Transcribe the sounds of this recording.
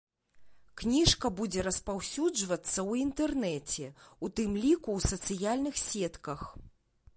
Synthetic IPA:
knʲiʂkɐbud͡zʲɛɾɐspawsʲud͡ʐvɐt̪sːɐwint̪ɛrnɛt͡sʲɛut̪ɨmlʲikuwsɐt̪sɨjalʲnɨxsʲɛt̪kɐx

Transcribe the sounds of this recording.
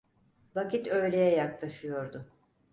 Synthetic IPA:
vacit̪ʰø̞jlʲe̞jɛjaklˠaʃɯjo̞ɾd̪ʊ

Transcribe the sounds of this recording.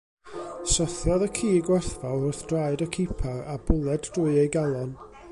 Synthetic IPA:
sɔθjɔðəkʰiːɡwɛθvalˠʊrθd̥raɨdəkʰipʰarabʊlˠɛddʊɨejɡalˠɔn

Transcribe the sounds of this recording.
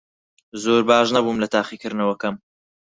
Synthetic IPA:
zoːɾbaːʒnabumlɐt̪ʰaːχikɨɾnɐwɐkɐm

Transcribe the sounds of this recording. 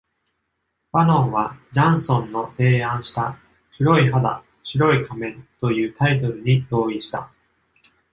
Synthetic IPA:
baɾõ̞ɰ̃βad͡ʑãɰ̃sõ̞nːo̞t̪e̞ːãɰ̃ɕi̥t̪a | ɕiɾo̞iɦad̪a̰ | ɕiɾo̞ikʰamẽ̞nt̪o̞jɯ̟ːt̪ait̪̬o̞ɾɯ̟ɲ̟id̪o̞ːiɕi̥t̪a̰

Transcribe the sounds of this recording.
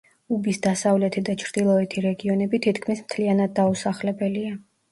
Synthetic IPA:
ubisd̪asavlɛt̪ʰid̪at͡ʃʰɾd̪̥ilˠɔɛt̪ʰiɾɛɡiɔnɛbit̪ʰit̪ʰkʰmismt̪ʰlianad̪̚ːausaχlɛbɛlia

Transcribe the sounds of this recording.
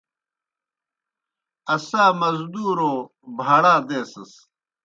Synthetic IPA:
ɐsaːmɐzd̪uːɾoː | bʱaɽaːd̪eːsɐs

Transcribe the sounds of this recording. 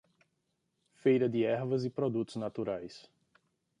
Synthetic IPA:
fejɾɐd̪ɪɛɾvɐzɪpɾod̪ut̪ʊznat̪uɾajs

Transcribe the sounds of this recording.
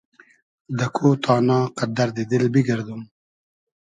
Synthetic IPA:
d̪əkʰoːt̪ʰɑːnɑːqad̪aɾd̪id̪ɪlbiɡɐɾd̪um

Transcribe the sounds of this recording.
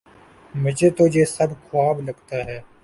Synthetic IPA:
mʊd͡ʒʱet̪od͡ʒeːsɐbkʰʊwaːblɐɡt̪aɦɛː

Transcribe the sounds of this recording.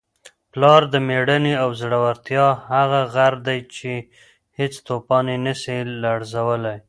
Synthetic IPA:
plɑɾd̪əmeɽəneawzɽawaɾt̪jɑhaɣaɣaɾd̪ajt͡ʃe | het͡st̪opɑnenəsilaɽzawəlaj

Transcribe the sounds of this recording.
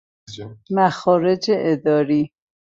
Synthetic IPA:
mæxɒːɾed͡ʒeʔed̪ɒːɾi

